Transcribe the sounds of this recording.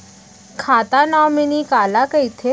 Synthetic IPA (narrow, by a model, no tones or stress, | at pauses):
kʰat̪anɔminikalakəjt̪ʰe